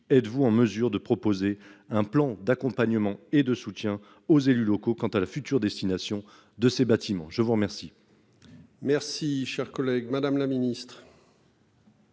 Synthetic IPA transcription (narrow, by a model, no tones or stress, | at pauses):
ɛt̪vuɑ̃məzyʁd̪əpχɔpozeɛ̃plɑ̃d̪akɔ̃paɲəmɑ̃ed̪əsut̪jɛ̃ | ozelylɔkokɑ̃t̪alafyt̪yʁd̪ɛst̪inasjɔ̃ | d̪əsebat̪imɑ̃ʒəvuʁmɛʁsi | mɛʁsiʃɛʁkɔlɛɡmad̪amlaminist̪χ